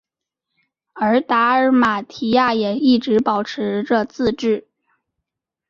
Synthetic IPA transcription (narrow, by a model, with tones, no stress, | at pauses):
ə˞˧˥t̪a˧˥ə˞˧˥ma˨˩t̪ʰi˧˥ja˥˩jɛ˨˩i˥˩ʈ͡ʂɻ̩˧˥pɑ˨˩ʊʈ͡ʂʰɻ̩˧˥ʈ͡ʂɤ˥˧t͡sɹ̩˥˧ʈ͡ʂɻ̩˥˩